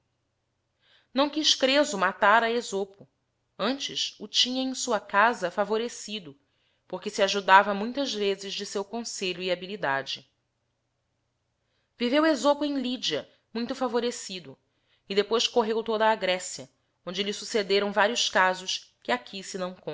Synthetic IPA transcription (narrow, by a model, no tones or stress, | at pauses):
nɐ̃w̃kiʃkɾezʊmat̪aɾɐezopʊ | ɐ̃nt͡ʃɪʃʊt͡ʃĩɲɐẽj̃suɐkazɐfavoɾesid̪ʊ | poɾkɪsiaʒud̪avɐmũj̃t̪ɐzvezɪʒd͡ʒɪsewkõseʎʊiabilid̪ad͡ʒɪ | vivewezopʊẽj̃lid͡ʒiɐ | mũj̃t̪ʊfavoɾesid̪ʊ | id̪epojʃkoɦewt̪od̪ɐːɡɾɛsjɐ | õnd͡ʒɪlɪsused̪eɾɐ̃w̃vaɾiʊʃkazʊʃkɪakʰisɪnɐ̃w̃kõ